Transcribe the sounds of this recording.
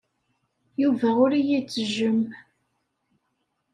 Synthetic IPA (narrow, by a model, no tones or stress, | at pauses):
juvæʊɾijit͡sːəʒəm